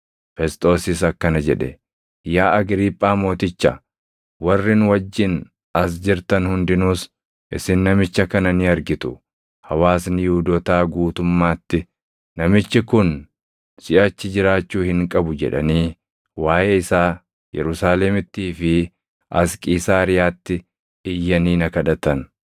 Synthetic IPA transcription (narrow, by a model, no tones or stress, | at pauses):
fɛst̪ʼo̞ːsɪsɐkːɐnɐd͡ʒɛᶑɛ | jaːʔɐɡɾiːpʼːaːmo̞ːt̪ɪt͡ʃːɐ̰ | wɐrːɪnwɐd͡ʒːɪn | ɐs̬d͡ʒɪɾt̪ɐnhʊnd̪ɪnuːs | ʔɪ̰sɪnːɐmɪt͡ʃːɐkɐnɐnɪɐɾɡɪt̪ʊ̰ | hɐwaːsnɪjhud̪ɔt̪aːɡuːt̪ʊmːaːt̪ːɪ | nɐmɪt͡ʃːɪkʊn | sɪʔɐt͡ʃːɪd͡ʒɪɾaːt͡ʃːuːhɪŋkʼɐbʊd͡ʒɛ̰ᶑɐ̰niː | waːʔeɪsaː | jɛ̰ɾʊsaːlɛmɪt̪ːiːfɪ | ʔɐ̰skʼiːsaːɾɪjaːt̪ːɪ | ɪjːɐniːnɐkɐᶑɐt̪ɐn